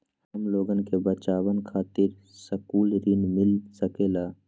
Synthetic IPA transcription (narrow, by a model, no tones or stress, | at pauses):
hhəmloːɡənkebət͡ʃaːwənkʰaːt̪ɪɾ | səkuːlɾɪnmɪlsəkeːlaː